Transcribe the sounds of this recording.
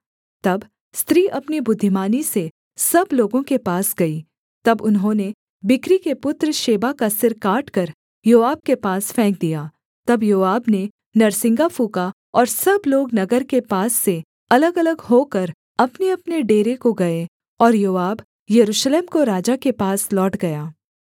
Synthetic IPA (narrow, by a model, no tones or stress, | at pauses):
t̪ɐb | st̪ɾiːʔɐpnibʊd̪ʱːɪmaːnise | sɐbloːɡõkepaːsɡɐiː | t̪ɐbʊnɦõːne | bɪkɾikepʊt̪ɾəʃeːbakasɪɾkaːʈkɐɾ | joːaːb̚kepaːsfɛ̃ːk̚d̪ijaː | t̪ɐbjoːaːbne | nɐɾsɪ̃ŋɡafuːka | ɔːɾsɐbloːɡnɐɡəɾkepaːsːe | ɐləɡɐləɡɦoːkɐɾ | ɐpneɐpneɖeːɾekoɡɐe | ɔːɾjoːaːb | jɐɾuːʃleːmkoɾaːd͡ʒakepaːslɔːʈɡɐjaː